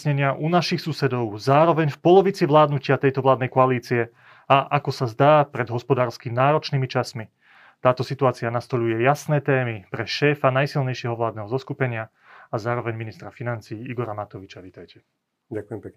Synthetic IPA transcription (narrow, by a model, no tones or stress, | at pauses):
ɲɛɲɪaʔunaʃixsusɛd̪ɔʊzaːɾɔʋɛɲfpɔlɔʋit͡siʋlaːd̪nucɪat̪ɛjt̪ɔʋlaːd̪nɛjkɔaliːt͡siɛ | aʔakɔsazd̪aːpɾɛd̪ɦɔspɔd̪aːɾskimnaːɾɔt͡ʃniːmit͡ʃasmi | t̪aːt̪ɔsit̪uaːt͡sianast̪ɔʎujɛjasnɛːt̪ɛːmipɾɛʃɛːfanajsilɲɛjʃɛɦɔʋlaːd̪nɛːɦɔzɔskupɛɲɪa | azaːɾɔʋɛɲminist̪ɾafinant͡siːiɡɔɾamat̪ɔʋit͡ʃaʋiːt̪ajcɛ | akuɛmpɛ